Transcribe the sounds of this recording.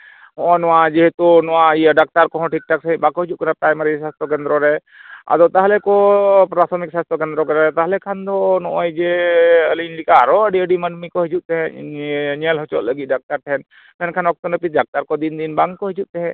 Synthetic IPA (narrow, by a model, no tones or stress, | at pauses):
ɦɔ̃ʔɔnɔwad͡ʒiɦɛt̪unɔwaijaɖak̚t̪aɾkɔɦɔ̃ʈik̚ʈak̚səɦibakɔɦid͡ʒuʔ̚kənapɾajmaɾɛsast̪ʰɔk̬ɛnd̪ɾɔɾɛ | a̰d̪ɔwt̪aɦalɛkɔpɾat̪ʰɔmik̚sast̪ʰɔkɛnd̪ɾɔkaɾaɾɛt̪aɦlɛkʰand̪ɔnɔʔɔjd͡ʒɛəlinlikaɾɔəɖiəɖimənmikɔɦid͡ʒuʔ̚t̪ɛɦɛ̃ | ɲɛlɦɔt͡ʃɔt̪̚ləɡit̪̚ɖak̚t̪aɾʈʰɛn | mɛnkʰanɔk̚t̪ɔnəpit̪̚ɖak̚t̪aɾkɔd̪ind̪inbaŋkɔɦid͡ʒuʔt̪ɛɦɛ̃